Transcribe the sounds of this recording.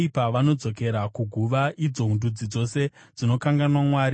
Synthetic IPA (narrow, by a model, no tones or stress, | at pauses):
ipaʋano̞d͡zo̞ke̞ɾakuɡʱuʋaʔid͡zo̞ɦundud͡zid͡zo̞se̞ | d͡zino̞kaŋɡanwamwaːɾi